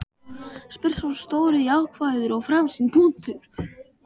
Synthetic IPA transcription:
spɪr̥sawst̪oːwɾɪjawkʰvaːjðʏɾɔɣfɾaːmsinpʰuːnt̪ʰʏɾ̥

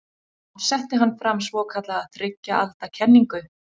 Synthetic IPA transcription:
sɛht̪ɪɦanːfɾamːsvɔːkʰat̪laːðθɾɪcːaa̰lt̪acʰɛnːiŋkʏ

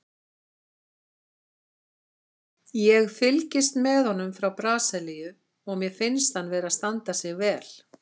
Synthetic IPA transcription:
jɛɣfɪlcɪst̪mɛðhɔnːʏmfɾawpɾaːsɛlijʏ | ɔɣmjɛfɪnst̪hanːvɛːɾaðst̪ant̪asjɛɣvɛːl̥

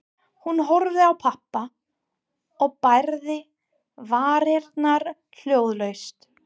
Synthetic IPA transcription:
hunɦɔɾðɪawpʰahpːa | ɔɣpajɾðɪ | vaːɾɛɾt̪naɾ | l̥joːwðlœɥst̪

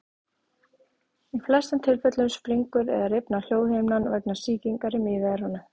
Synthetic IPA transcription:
iflɛst̪ant̪ʰɪlfɛt̪lʏmspɾiŋkʏɾɛ̰ðaɾɪpnal̥joːwhejmnanvɛjknḁsiːciŋkaɾɪmɪːðɪaɾhɔna

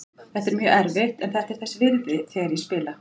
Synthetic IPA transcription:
θɛht̪ɛɾmjœːɛɾvɪht̪ɛnθɛht̪ɛɾ̥θɛsːɪvɪlvɪθɛɾispɪːla

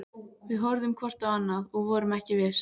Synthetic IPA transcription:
vɪðɦɔɾðʏmkʰvɔr̥t̪awanːaðɔɣvɔːɾʏmɛhcɪvɪɾ̥

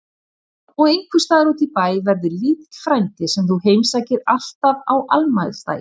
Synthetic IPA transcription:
ɔɣejŋkʰvʏst̪aːðɪɾɔt̪ɪpaːjvɛɾðʏɾliːt̪fɾajnt̪ɪsɛmθuhejmsaːjcɪɾal̥t̪avawʔalmajð̥st̪a̰ːjɪ̥

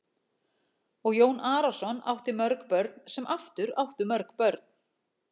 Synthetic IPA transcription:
ɔɣjoːwnaːɾasɔna̰wht̪ɪmœɾkpœɾt̪nsɛmʔaft̪ʏɾawht̪ʏmœɾkpœɾt̪n̥

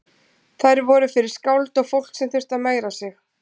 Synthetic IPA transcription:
θajɾvɔɾʏfɪɾɪɾ̥skawlt̪ɔɣfowl̥ksɛmθʏr̥t̪ameːjɾasɪx

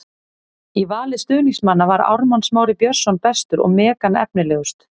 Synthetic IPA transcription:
ivaːlɪst̪ʏːniŋsmanːavaɾa̰wɾmansmaːwɾɪpjœr̥sɔnpɛst̪ʏɾɔ̰ɣmɛːkanɛ̰pnɪlɛːɣʏst̪

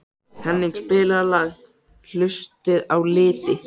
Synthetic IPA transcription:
hɛnːɪŋspɪːlalaːɣ | l̥ʏst̪ɪðawlɪːt̪ɪ

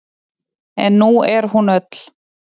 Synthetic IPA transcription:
ɛ̰nːuɛɾ̥hunœt̪l̥

